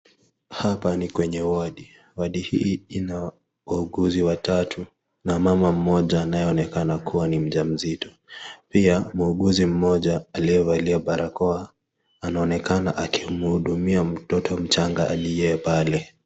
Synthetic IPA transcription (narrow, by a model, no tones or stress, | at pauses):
hapanikwɛɲɛwaɗi | waɗihiːina | wauɠuziwatatʰu | namamam̩mɔʄaːnajɛɔnɛkanakuwanim̩ʄam̩zitɔ̥ | piamuuɠuzim̩mɔʄaːliɛvaliaɓaɾʔakɔa | anaɔnɛkanaʔakimuhuɗumiam̩tɔtʰɔm̩t͡ʃaŋɡaʔaɗijɛːpalɛ